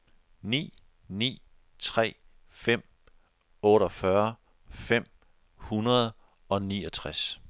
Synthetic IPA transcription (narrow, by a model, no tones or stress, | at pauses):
nḭː | nḭː | t͡sʰʁɛ̰ː | fem̰ | ɔ̽ːɾɒfɶɐ | fem̰ | hunɐð̞̩ˠ | ɒ̽niːɒt͡sʰʁas